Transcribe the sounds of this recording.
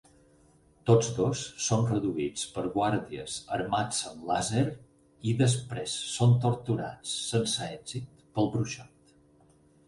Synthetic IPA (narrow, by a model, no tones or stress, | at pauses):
t̪od͡zðosːonrəðuit͡spəɾɣwaɾðiəzə̰ɾmat͡səmlazeɾ | iðəs̬pɾesːont̪uɾt̪uɾa̰t͡sːənsəɛɡzit̪pəlˠbɾuʃɔt̪